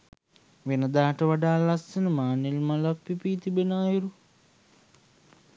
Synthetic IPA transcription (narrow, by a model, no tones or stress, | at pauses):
ʋenəd̪aːʈəʋaɖaːlːasːənəmaːnilmalɐpːipiːt̪ibenaːjiɾu